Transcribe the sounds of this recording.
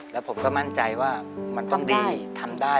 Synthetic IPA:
lɛ˦˥wpʰo˩˦mkɔː˥˩ma˥˩nt͡ɕa˧jwaː˥˩ma˧nt̪ɔ˥˩ŋdiː˧t̪ʰa˧mdaː˥˩

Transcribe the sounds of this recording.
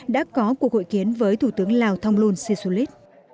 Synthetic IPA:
ɗa̰ː˧˥kɔ˨˦ku˨˩ək̚ho̰˧˨jki˨˦ənvəː˨˦jt̪ʰu˧˩t̪ɨ˨˦əŋlaː˨˩wt̪ʰa˧wŋ͡mlu˧nsi˧su˧li˦˥t̚

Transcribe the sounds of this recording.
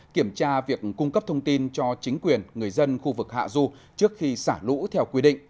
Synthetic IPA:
ki˧˩əmt͡ɕaː˧vi˨˩ək̚kːʊ˧ŋ͡mkə˦˥p̚t̪ʰə˧wŋ͡mt̪i˧nt͡ɕɔ˧t͡ɕï˨˦ŋ̟kwi˨˩ənŋɨ˨˩əjzə˧nxu˧vɨ˨˩k̚ha̰ː˧˨zu˧ | t͡ɕɨ˦˥ək̚xi˧saː˧˩lṵ˧˥t̪ʰɛ˧wkwi˧ɗḭ̈˧˨ŋʔ

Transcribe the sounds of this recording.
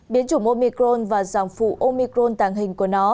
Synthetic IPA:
ɓi˨˦nt͡ɕʊ˧˩ŋ͡mʔo˧mi˧kɾo˧nvaː˨˩zaː˨˩mfṵ˧˨ʔo˧mi˧kɾo˧nt̪aː˧˨˩ŋɦï˨˩ŋ̟ku˧˩ənɔ˨˦

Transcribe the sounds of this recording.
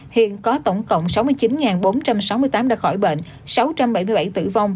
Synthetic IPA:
hḭ˧˨ənkɔ˨˦t̪ə˧˩wŋ͡mkə̰˧˨wŋ͡msa˨˦wmɨ˧jt͡ɕi˨˦nŋaː˨˩nɓo˨˦nt͡ɕa˧msa˨˦wmɨ˧əjt̪aː˨˦mɗaː˧˩xɔ˧˩jɓḛ˧˨n | sa˨˦wt͡ɕa˧mɓa˧˩jmɨ˧ɓa˧˩jt̪ɨ̰˧˩va˧wŋ͡m

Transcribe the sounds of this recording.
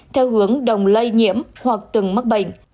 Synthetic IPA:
t̪ʰɛ˧whɨ˨˦əŋɗə˨˩wŋ͡mlə˧jɲḭ˧˥əmhwa˨˩k̚t̪ɨ˨˩ŋmə˦˥k̚ɓə̰˧˨ŋ̟

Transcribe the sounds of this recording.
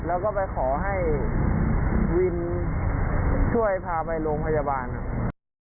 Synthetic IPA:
lɛː˦˥wkɔː˥˩pa˧jkʰɔː˩˦ɦa˥˩j | wi˧n | t͡ɕʰu˥˩əjpʰaː˧pa˧jloː˧ŋpʰa˧jaː˧baː˧nha˧˩ʔ

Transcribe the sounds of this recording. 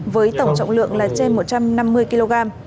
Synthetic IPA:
vəː˨˦jt̪ə˧˩wŋ͡mt͡ɕə̰˧˨wŋ͡mlɨ̰˧˨əŋlaː˨˩t͡ɕe˧nmo˨˩t̚t͡ɕa˧mna˧mːɨ˧əjki˧lo˧ɣaː˧m

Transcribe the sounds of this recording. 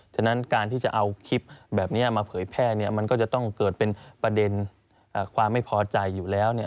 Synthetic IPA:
t͡ɕʰa˧na˦˥nkaː˧nt̪ʰiː˥˩t͡ɕa˨˩ʔa˧wkʰi˦˥p̚bɛː˨˩p̚ni˦˥ɐmaː˧pʰɤː˩˦jpʰɛː˥˩ni˥˩ɐma˧nkɔː˥˩t͡ɕa˨˩t̪ɔ˥˩ŋkɤː˨˩t̪̚pe˧npɾa˧de˧n | ʔəː˨˩kʰwaː˧mːa˥˩jpʰɔː˧t͡ɕa˧jːuː˨˩lɛː˦˥wni˥˩ɐ

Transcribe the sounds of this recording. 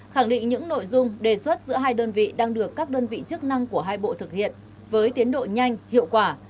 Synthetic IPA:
xa˧˩ŋɗḭ̈˧˨ŋɲɨ̰˧˥ŋno̰˧˨jzʊ˧ŋ͡mɗe˨˩swə˦˥t̚zɨ̰˧˥əɦaː˧jɗəː˧nvḭ˧˨ɗaː˧ŋɗɨ˨˩əkːaː˦˥k̚ɗəː˧nvḭ˧˨t͡ɕɨ˦˥k̚na˧ŋku˧˩əɦaː˧jɓo̰˧˨t̪ʰɨ˨˩k̚hḭ˧˨ən | vəː˨˦jt̪i˨˦ənɗo̰˧˨ɲa˧jŋ̟hḭ˧˨əwkwaː˧˩

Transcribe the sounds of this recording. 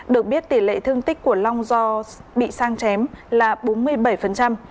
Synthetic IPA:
ɗɨ˨˩ək̚ɓi˦˥ət̚t̪i˧˩lḛ˧˨t̪ʰɨ˧əŋt̪ï˦˥k̟̚kːu˧˩əla˧wŋ͡mzɔ˧ɓḭ˧˨saː˧ŋt͡ɕɛ˨˦mlaː˨˩ɓo˨˦nmɨ˧əjɓə˧˩jfə˨˩nt͡ɕa˧m

